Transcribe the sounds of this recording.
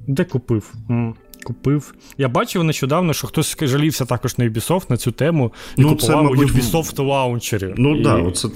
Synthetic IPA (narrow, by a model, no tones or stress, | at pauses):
d̪ɛkʊpɪw̩ | kʊpɪw | jabɑt͡ʃɪwneʃt͡ʃɔd̪ɑwnɔʃt͡ʃɔxt̪ɔsʲʒɐlʲiwsʲɐt̪ɑkɔʒnɐjʊbʲisɔft̪nɐt͡sʲut̪ɛmʊnikʊpʊsɛɑwjubʲisɔft̪t̪ɔɑʊnʲt͡ʃeɾʲʊ̰nuid̪ɑɔ̰t̪sɛ